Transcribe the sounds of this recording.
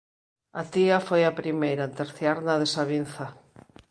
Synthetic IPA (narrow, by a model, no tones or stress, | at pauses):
at̪iafojapɾimejɾat̪eɾθjaɾnaðesaβin̟θa